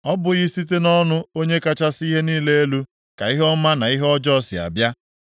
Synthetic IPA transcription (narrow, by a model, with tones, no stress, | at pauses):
ɔ˦bʊ˨ɣɪ˦si˦t̬e˦nɔ˦nʊ˦o˦ɲe˦ka˦t͡ʃa˦si˦ɦe˦niː˦le˦e˦lu˦ | ka˨i˦ɦɔ˦ma˦na˨i˦ɦɔ˦d͡ʒɔ˦sɪ̰˨a̰˨bja˦